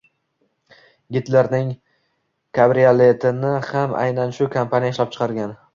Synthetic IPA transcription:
ɡʲɪt̪laɾnɪŋ | kʰabɾiale̞t̪ʰɪnɪhamʔa̰jnanʃʊkʰampʰanijaɪʃlap̚t͡ʃʰɨ̥qʰɑɾɡʲan

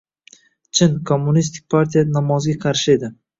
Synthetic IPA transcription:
t͡ʃʰɪnkʰomːʊnist̪ʰɪk̚ʲpʰaɾt̪ʰʲijanamɒzɡʲaqʰɑɾʃɪe̞d̪ɪ

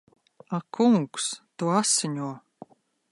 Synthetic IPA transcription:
akuŋkst̪uasɨnʲuɔ

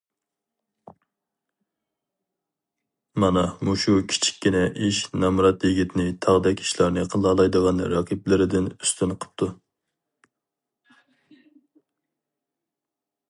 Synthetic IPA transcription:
mɑnɑmuʃukʲʰi̥t͡ʃʰi̥kʲːinɛʔiʃnɑmɾɑt̪jiɡʲit̪ɪnɪt̪ʰɑʁd̪ɛkʲi̥ʃlˠɑɾnɨqʰəlˠɑlˠɑjd̪əʁɑnɾɑqʰip̚lɪɾɪd̪ɪny̥st̪ʰynqʰə̥p̚t̪ʰu

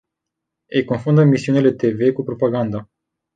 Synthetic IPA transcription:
ejko̞nfund̪əmisiunile̞t̪e̞ve̞kupɾo̞paɡand̪a

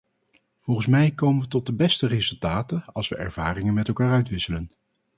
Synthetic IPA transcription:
v̥ɔlˠχənsmɛjkowmənʋətɔt̚dəbɛstərezɵlˠtaːtəɑlˠsʋəʔɛ̰ɹv̥aːrɪŋənmɛtɛlˠkaːɹœɥtʋɪsələn

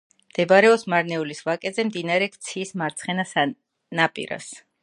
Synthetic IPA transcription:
md̪̥ɛbaɾɛɔsmaɾnɛulisvakʼɛzɛmd̪inaɾɛkʰʼt̪sʰiːsmaɾt̪sʰχɛnasa | napʼḭɾa̰s

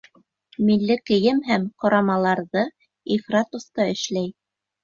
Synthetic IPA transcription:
milːɘkɘ̆jɘmɦæmqŏɾɑmɑlˠɑɾðɤ | ifrat̪ŏst̪ɑɘ̆ʃlæj

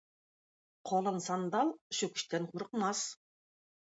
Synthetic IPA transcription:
qʰɒlˠɤnsɑnd̪ɑlˠʃɵkʲɪ̥̆ʃt̪ænqʰuɾəqmɑs

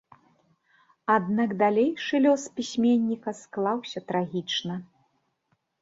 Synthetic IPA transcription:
ad̪naɡd̪alʲejʂɨlʲɔspʲisʲmʲenʲːikɐsklˠawsʲɐt̪ɾaɣʲit͡ʂnɐ

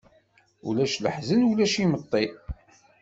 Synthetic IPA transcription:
ṵlæʃləħzənulæʃimət̪ˤːi

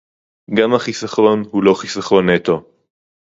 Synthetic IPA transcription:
ɡamhaχisaχɾo̞nhulo̞χisaχo̞nːet̪o̞

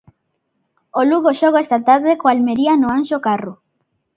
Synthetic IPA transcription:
oluɣoʃoɣoest̪at̪aɾðekoalmeɾianoanʃokaru

